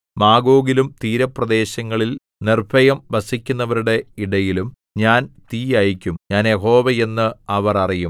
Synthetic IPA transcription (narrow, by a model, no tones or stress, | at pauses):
maːɡo̞ːɡilumt̪iːɾɐprɐd̪e̞ːɕɐŋːɐɭil | nirbʰʱɐjɐmbɐsikʲːunːɐʋɐɾuɽe̞iɽɐjilum | ɲaːnt̪iːjajikʲːumɲaːnjeɦo̞ːʋɐe̞nːɨɐʋɐrɐrijum